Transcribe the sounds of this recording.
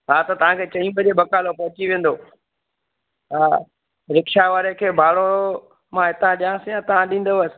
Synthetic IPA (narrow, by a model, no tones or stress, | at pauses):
ɦaːt̪ɐt̪ɐʋ̤ãkʰeːt͡ɕɐĩbɐd͡ʑebɐkaːlopɐɦɪt͡ɕiʋẽːn̆d̪oː | a | ɾɪkʃaʋaːɾekʰeːbʱaːɽo | mãɦɪt̪ãɗijãːsĩjãt̪ɐʋ̤ãɗĩːn̆d̪oəsɪ̥